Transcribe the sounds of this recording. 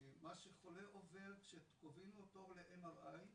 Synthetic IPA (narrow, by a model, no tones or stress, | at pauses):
maʃeχoleʔoveʁkʃet̪kovinuotovleʔemaʁaj